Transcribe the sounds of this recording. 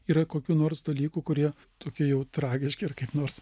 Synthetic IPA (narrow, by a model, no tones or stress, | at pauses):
iːɾɐkoːkʲuːnoːɾsd̪ɐlʲiːkukʊɾʲiɛ | t̪oːkʲɪjɛʊt̪ɾɑːɡʲɪʃʲkʲɪrkɐɪpnoːɾs